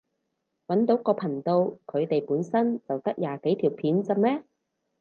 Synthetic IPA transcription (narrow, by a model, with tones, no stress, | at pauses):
wɐ˨˥nt̪o˨˥wkɔː˧pʰɐ˨˩ŋt̪o˧wkʰɵ˨˧ɥt̪e˨jpuː˨˥nsɐ˥nt͡sɐ˨wt̪ɐ˥k̚jaː˨˩ke˨˥jt̪ʰiː˨˩wpʰiː˨˥nt͡sɐ˧mɛː˥